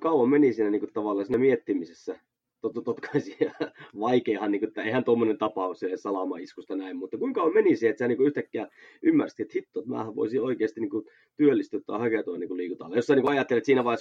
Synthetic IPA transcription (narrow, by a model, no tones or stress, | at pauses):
kɑuwɑmmenisiːnæniŋkut̪ɑʋɑˑlːɑsiːnæmiet̪ːimisesːæ | t̪ot̪t̪ot̪kʰɑisiɑʋɑikeːhɑnniːŋkuet̪ːæeihænt̪omːonent̪ɑpɑˑusessɑlɑmɑ̰iskust̪ɑnæimmut̪ːɑkuiŋkɑuwɑmenisiːet̪siæniːkuyht̪ækːeæʔymːærsit̪et̪hit̪ːoet̪mæ̰ːhæʋʋo̰isio̰ikeːˑst̪iniːku | t̪yølːist̪yt̪ːoɑ̰hɑket̪uɑniːŋkuliːkut̪ɑ̰lːɑjosːɑinikuɑjɑt̪ːelˑet̪siːnæʋɑis